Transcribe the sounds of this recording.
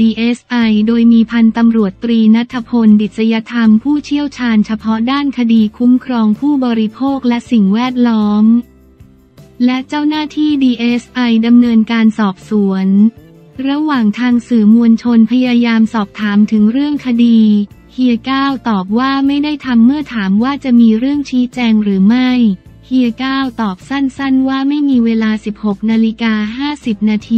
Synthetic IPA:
diː˧ʔe˦˥sʔa˧jdoː˧jmiː˧pʰa˧nt̪a˧mɾu˨˩ət̪ːɾiː˧na˦˥t̪ʰːa˧pʰo˧ndi˨˩t̪̚sa˧ja˧˥t̪ʰa˧mpʰuː˥˩t͡ɕʰi˥˩əwt͡ɕʰaː˧nt͡ɕʰa˧pʰɔ˦˥daː˥˩nkʰa˧diː˧kʰu˦˥mkʰɾɔː˧ŋpʰuː˥˩bɔː˧ɾi˧pʰoː˥˩k̚lɛ˦˥ʔsi˨˩ŋwɛː˥˩t̪̚lɔː˦˥m | lɛ˦˥ʔt͡ɕa˥˩wnaː˥˩t̪ʰiː˥˩diː˧ʔeː˦˥sʔa˧jda˧mnɤː˧nkaː˧nsɔː˨˩p̚su˩˦ən | ɾa˧waː˨˩ŋt̪ʰaː˧ŋsɯː˨˩mu˧ənt͡ɕʰo˧npʰa˧jaː˧jaː˧msɔː˨˩p̚t̪ʰaː˩˦mt̪ʰɯ˩˦ŋɾɯ˥˩əŋkʰa˧diː˧ | hʰi˧əkaː˥˩wt̪ɔː˨˩p̬̚waː˥˩ma˥˩jda˥˩jt̪ʰa˧mːɯ˥˩ɐt̪ʰaː˩˦mwaː˥˩t͡ɕa˨˩ʔmiː˧ɾɯ˥˩əŋt͡ɕʰiː˦˥t͡ɕɛː˧ŋɾɯː˩˦ma˥˩j | hi˧əkaː˥˩wt̪ɔː˨˩p̚sa˥˩nsa˥˩nwaː˥˩ma˥˩jmiː˧weː˧laː˧si˨˩p̚ho˨˩k̚naː˧li˦˥kaː˧ɦaː˥˩si˨˩p̚naː˧t̪ʰiː˧

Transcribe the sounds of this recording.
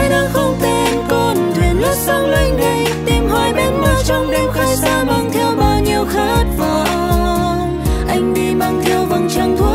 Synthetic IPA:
ɗɔ˨˦˥xə˧wŋ͡mt̪e˧˩nko˧nt̪e˨˩nlʊ˦˥t̚zə˧wla˧jŋ̟ɗa˧˩jt̪i˨˩mɦɔ˨˧˩jɓe˧nma˥˧t͡ɕɔ˧wŋ͡mli˧əmxa˧˦jsaː˧ma˧ŋt̪ʰɛ˧wɓaː˧˩ɲi˨˧˨əwxa˨˦˥t̚vəː˨˩ | ʔa˧jŋ̟ɗi˧ma˧ŋt̪ʰɛ˧wvə˨˩nt͡ɕa˧ŋt̪ʰu˧˦

